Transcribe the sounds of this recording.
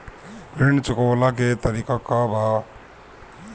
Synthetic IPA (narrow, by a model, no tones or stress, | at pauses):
bɾint͡ʃukəwlak̬et̪əɾikakabʱa